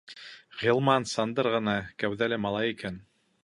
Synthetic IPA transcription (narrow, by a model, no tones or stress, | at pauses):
ʁilˠmɑnsɑnd̪ɤɾʁɤ̆nɑkæwðælæmɑlˠɑjikæn